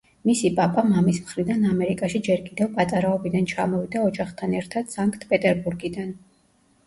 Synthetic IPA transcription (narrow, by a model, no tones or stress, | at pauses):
misipʼapʼamamismχɾid̪anamɛɾikʼaʃid͡ʒɛɾkʼid̪ɛvpʼat̪ʼaɾaɔbid̪ant͡ʃʰa̰mɔvid̪aɔd͡ʒaχt̪ʰanɛɾt̪ʰad̪̥saŋkʼt̪ʰpʼɛt̪ʼɛɾbuɾɡid̪an